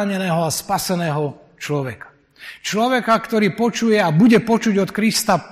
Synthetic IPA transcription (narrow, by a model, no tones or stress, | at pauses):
aɲɛnɛːɦɔaspasɛnɛːɦɔ | t͡ʃlɔʋɛkḁ | t͡ʃlɔʋɛkakt̪ɔɾiːpɔt͡ʃujɛabuɟɛpɔt͡ʃuɟɔt̪kɾist̪a